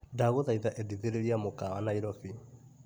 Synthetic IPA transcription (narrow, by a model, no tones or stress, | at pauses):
ndaɣoðaiðaʔediðeɾeɾiamokawa̰naiɾɔfi